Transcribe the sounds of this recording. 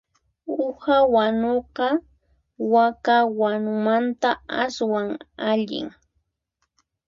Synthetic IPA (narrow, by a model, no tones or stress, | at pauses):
ʊhawanoqɑ | wakawanʊmant̪aaswaŋaʎɪ̰ŋ